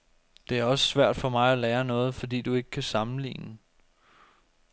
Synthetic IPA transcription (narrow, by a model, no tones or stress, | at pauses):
d̥e̝æɐɒ̽sə̥sʋæɐ̰d̥fɒ̽mɑ̈ɪælɛːɐnɔ̽ːð̞̩ˠfɒ̽d̥ḭːd̥ue̝ɡ̥əkʰæsɑ̈mn̩lḭːnə